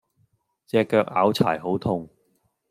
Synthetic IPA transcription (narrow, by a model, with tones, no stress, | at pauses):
t͡sɛː˧kːœː˧k̚a̰ː˨˥wt͡sʰa̰ː˨˩jɦo˨˥wt̪ʰʊ˧ŋ